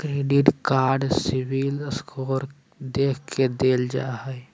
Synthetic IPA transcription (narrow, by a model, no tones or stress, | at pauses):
kɾeːɖiʈkaːɾɖsiwiləskʰoːɾ | d̪eːkʰkʰed̪eːld͡ʒa̰ɦɛ